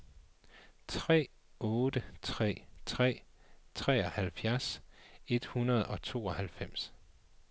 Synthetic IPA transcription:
t͡sʰʁɛ̰ː | ɔ̽ːd̥ət͡sʰʁɛ̰ːt͡sʰʁɛ̰ːt͡sʰʁɛ̰ːɒ̽hælfjæɐse̝d̥hunɐð̞̩ˠɒ̽t͡sʰo̝̰ːɒhælfem̰s

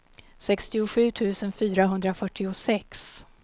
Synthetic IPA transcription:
sɛkst̪ɪʊɧʉ̟ːt̪ʰʉ̟ːsənfyːɾaɦɵnd̪ɾafœʈːɪʊsɛks

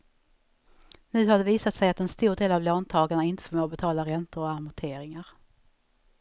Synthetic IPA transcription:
nʉ̟ːhad̪ɛviːsat̪sɛjat̪ɛnst̪uːɖeːlavloːnt̪ʰɑːɡaɳaɪnt̪ə̥fɔɾmoːbɛt̪ʰɑːlaɾɛnt̪əɾɔamʊʈ̪ʰeːɾɪŋaɾ

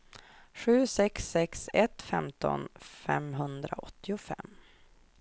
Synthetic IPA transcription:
ɧʉ̟ːsɛksːɛksɛt̪fɛmt̪ɔ̰nfɛmɦɵnd̪ɾaɔt̪ːɪʊfɛ̰mː

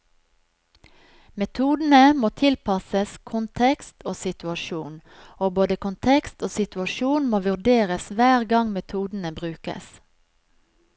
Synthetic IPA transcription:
mɛt̪ʰuːd̪n̩əmoːt̪ʰɪlpʰɑsəskʰʊnt̪ʰɛkst̪oːsɪt̪ʉɑʃuːn | oːboːd̪əkʊnt̪ʰɛkst̪oːsɪt̪ʉɑʃuːnmoːʋʉʁɖeːʁəsʋæːʁɡɑŋmɛt̪ʰuːd̪n̩əbʁʉːkə̰s

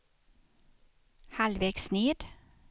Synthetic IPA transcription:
hɑlʋeɡsneːd

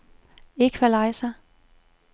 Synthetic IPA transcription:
e̝ɡ̥ʋælɑɪsɐ

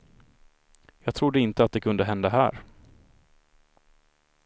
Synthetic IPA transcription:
jɑːɡt̪ʰɾʊd̪ːəɪnt̪əat̪̚d̪ɛkʰɵnd̪əɦɛnd̪aɦæ̰ːɾ

